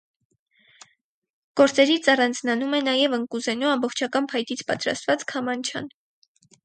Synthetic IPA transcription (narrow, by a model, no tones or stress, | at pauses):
ɡ̥ɔɾt͡sɛɾit͡sʰɑrɑnd͡znɑnumɛnɑjɛvəŋkuzɛnuɑmbɔχt͡ʃʰɑkɑnpʰɑjt̪it͡sʰpɑ̰t̪ɾɑ̰st̪vɑt͡skʰɑmɑnt͡ʃʰɑ̰n